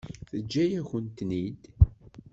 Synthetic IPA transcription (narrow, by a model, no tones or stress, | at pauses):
θəd͡ʒːæjæçənt̪nid̪